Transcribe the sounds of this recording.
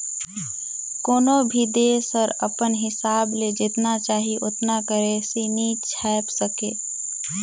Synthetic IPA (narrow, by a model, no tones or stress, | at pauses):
koːnobʱid̪esəɾəpənɦɪsaːbled͡ʒɪt̪nat͡ʃaːɦiʔʊt̪nakəɾesinit͡ʃʰɛːpsəkeː